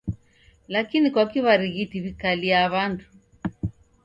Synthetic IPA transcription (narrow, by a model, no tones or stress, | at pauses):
lakinikwakiβaɾiɣitiβikaliaβantu̥